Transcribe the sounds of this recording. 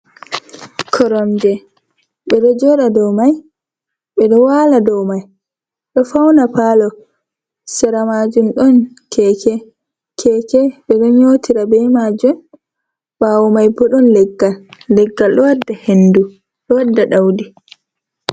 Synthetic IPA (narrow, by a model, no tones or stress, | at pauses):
kʰɔɾɔmd͡ʒɛ | ɓɛɗɔd͡ʒɔɾadɔmaj | ɓɛɗɔwaladɔwmaj | ɗɔfawnapalɔ | sɛɾamaːd͡ʒumɗɔn | kʰɛkɛ | kʰɛkɛɓɛɗɔɲoːtʰiɾabɛjmad͡ʒun | baːwɔmajbɔɗɔnlɛɡːalːɛɡːalɗɔwadːahendu | ɗɔwadːaɗawdi